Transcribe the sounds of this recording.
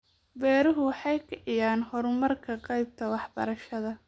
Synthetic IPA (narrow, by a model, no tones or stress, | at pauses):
bɛːɾʊɦʊwɑħɑjkʰɐʕɪjaːnhɔɾmɐrkʰɐqɑjb̚t̪ʰɐwɑħbɐ̰ɾɐʃɐðɐ